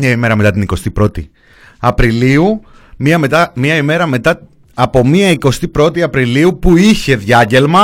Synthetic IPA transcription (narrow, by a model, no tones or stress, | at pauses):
ɲɐime̞ɾɐme̞t̪ɐt̪iniko̞st̪ipɾo̞t̪ḭ | ɐpɾiliu | miɐme̞t̪ɐmiɐime̞ɾɐme̞t̪ɐ | ɐpo̞miɐiko̞st̪ipɾo̞t̪iɐpɾiliupuiçe̞ðʝɐɟe̞lmɐ